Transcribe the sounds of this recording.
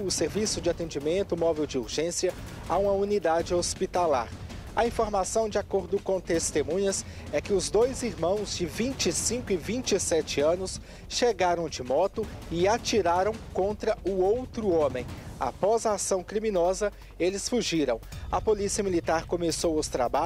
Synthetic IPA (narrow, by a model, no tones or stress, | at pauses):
ʊseɾvisʊd͡ʒɪat̪ẽd͡ʒimẽnt̪ʊmɔvewd͡ʒɪuɾʒẽsiɐ | aũmɐunid̪ad͡ʒɪospit̪ala̰ɾ | ɐ̰ĩfoɾmasɐ̃w̃d͡ʒɪakoɾd̪ʊkõt̪est̪emũɲɐs | ɛkɪʊzd̪ojziɾmɐ̃w̃zd͡ʒɪvĩnt͡ʃɪsĩkʊɪvĩnt͡ʃɪsɛt͡ʃɪɐ̃nʊs | ʃeɡaɾɐ̃w̃d͡ʒɪmɔt̪ʊɪat͡ʃiɾaɾɐ̃w̃kõnt̪ɾɐʊowt̪ɾʊõmẽj̃a̰pɔzɐaːsɐ̃w̃kɾimĩnɔzɐ | elɪsfuʒiɾɐ̃w̃ɐpolisiɐmilit̪aɾkomesowʊst̪ɾaba